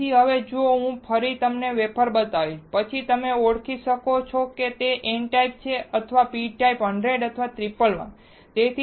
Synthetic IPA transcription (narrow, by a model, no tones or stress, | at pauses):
iɦəʋed͡ʒooɦũpʰəɾit̪əmneʋepʰəɾbət̪aʋipət͡ʃʰit̪əmeoɽkʰiʃəkot͡ʃʰoket̪eʔeɳʈaip̚t͡ʃʰeət̪ʰʋapiʈaipəɳɖɾeɖət̪ʰʋat̪ɾipəlʋə̰n | t̪et̪ʰi